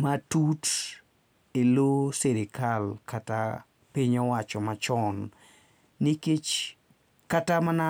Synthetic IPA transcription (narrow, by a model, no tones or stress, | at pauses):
matut | eloseɾɪkalkata | piɲɔwat͡ʃɔmat͡ʃɔnː | iket͡ʃ | katamana